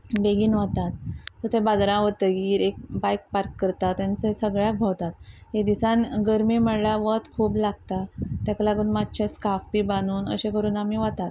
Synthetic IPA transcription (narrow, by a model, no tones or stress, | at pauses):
beɡiːnʋat̪at̪ːət̪ʰẽbad͡zɾãʋət̪əɡiːɾek̚bajk̚paɾkːəɾt̪at̪jant͡sesəɡɭjak̚bʱawt̪at̪ɦed̪isãnɡəɾmiːməɽlaʋət̪kʰuːblaɡt̪at̪jaklaɡuːnmat̪̚t͡ɕʰeskafpibanuːnə̰ɕẽkəɾuːnamiʋat̪at̪